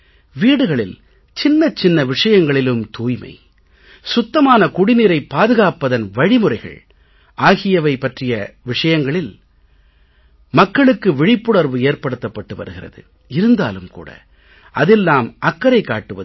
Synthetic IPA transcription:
ʋiːɽɯɣɐɭɪl | t͡ʃɪnːɐt͡ʃːɪnːɐʋɪʂɐjɐŋɡɐɭɪlɯmt̪uːjmɐ̰ɪ | sʊt̪ːɐmaːnɐkʊɽɪniːɾɐɪpːaːðɯɣaːpːɐðɐnʋɐɻɪmɯɾɐɪɣɐ̰ɭ | ʔaːɣɪjɐʋɐɪpːɐʈrɪjɐʋɪʂɐjɐŋɡɐɭɪl | mɐkːɐɭɯkːɯʋɪɻɪpːʊɽɐɾʋɯeːɾpɐɽɯt̪ːɐpːɐʈːɯʋɐ̰ɾɯɣɪrɐ̰ðɯ̰ | ɪɾɯnd̪a̰ːlɯmkṵːɽɐ̰ | ʔɐðɪlnaːmɐkːɐɾɐɪkːa̰ːʈːɯʋɐ̰ð

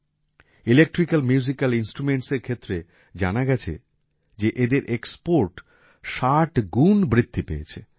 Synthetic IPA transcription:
ilek̚ʈɾikalmjuzikalinsʈɾumeɳʈseɾkʰet̪ːɾe | d͡ʑa̰naɡɛt͡ɕʰḛ | d͡ʑeʔed̪eɾʔekspoɾʈ | ʃaʈɡunbɾit̪ʰːipeḛt͡ɕʰe

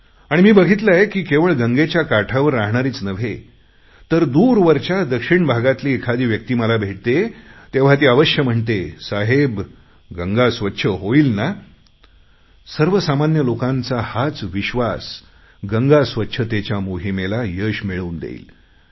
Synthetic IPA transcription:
aɽ̃imiːbəɡʱit̪̬lajekiːkeʋəɭɡəŋɡet͡ɕjakaʈʰaʋəɾːaɦɳaɾiːt͡snəʋ̤ʱe | t̪əɾd̪uːɾʋəɾt͡ɕad̪əkʂiɳbʱaɡat̪liːekʰad̪iːʋjək̚t̪iːməlabʱeʈ̚t̪et̪eʋ̤at̪̬iːaʋəɕjəm̤əɳt̪esaɦeb | ɡəŋɡasʋətːɕʰəɦoiːlna | səɾʋəsamanjəlokãnt͡sahat͡sʋiɕʋas | ɡəŋɡasʋətːɕʰət̪et͡ɕjamoɦimelajəɕmiɭuːnd̪ḛḭːl

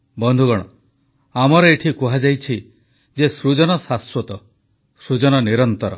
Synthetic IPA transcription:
bɔnd̪ʱuɡɔɽ̃ɔ | amɔɾɔeʈʰikuɦad͡ʒajt͡ʃʰi | d͡ʒesɾud͡ʒɔnɔsaswɔt̪ɔ | sɾud͡ʒɔnɔniɾɔnt̪ɔɾɔ̰

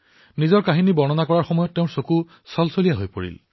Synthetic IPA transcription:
nizɔɹkaɦinibɔnɔnakɔɹaɹxɔmɔjɔtːeʊ̃soku | sɔlsolijaɦojpo̰ɹḭl

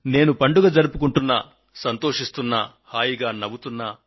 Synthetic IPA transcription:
ne̞ːnupɐɳɖuɡɐd͡ʒɐɾupukuɳʈunːɐ̰ | sɐnt̪o̞ːʂist̪unːa | haːjiɡaːnɐbut̪unːaː

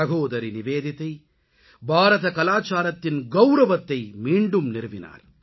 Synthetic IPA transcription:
ɐɣoːðɐɾinɪʋeːðɪt̪ːɐɪ | bʱaːɾɐðɐkɐlaːt͡ʃaːɾɐt̪ːɪnɡɐʊɾɐʋɐt̪ːɐɪmiːɳɖɯmnɪɾɯʋɪna̰ːɾ

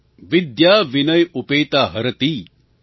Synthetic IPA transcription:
ʋid̪jaːʋinɐjupeːt̪aːɦɐɾɐt̪iː

